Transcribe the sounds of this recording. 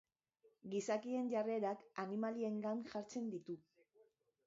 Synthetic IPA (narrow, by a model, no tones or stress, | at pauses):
ɡisakie̞nʝare̞ɾakanimalie̞ŋɡanʝaɾt͡se̞nd̪it̪u